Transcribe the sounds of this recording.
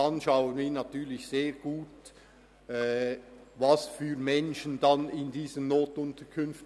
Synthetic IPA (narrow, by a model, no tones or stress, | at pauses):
ɑnʃɑʊənviːnɑtyːɐlɪçseːʁɡ̥uːt | ɛ | vɑsfyːʁmɛnʃəndɑnɪndiːzənnːoːtʊntəkʰʏnft